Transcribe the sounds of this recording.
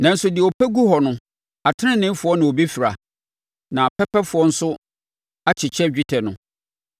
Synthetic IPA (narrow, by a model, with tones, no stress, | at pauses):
nã˨n̩˦sʊ˦dɪ˨ɛ˨o˨pʰæ˦ɡu˦ɦhɔ˨nʊ̃˦ | a˨tʰɪ˦nɪ̃˦nɪ̃˦m˦fʊ˨˦ɔ˦nã˨o˨bi˦fi˨ɾa̰˨ | nã˨pʰɛ˦pʰɛ˦fʊ˨˦ɔ˦n̩˦sʊ˦ | a˦t͡ɕʰɪ˨t͡ɕʰɛ˦d͡ʑᶣi˦tʰɛ˨nʊ̃˨